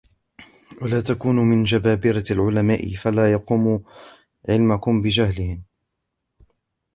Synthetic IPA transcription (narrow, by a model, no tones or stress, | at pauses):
walaːt̪akuːnʊmɪnd͡ʒabaːbɪɾaalʕʊlamaːʔɪ̰falaːjɑquːmu | ʕɪlmakʊmbɪd͡ʒahlɪhɪm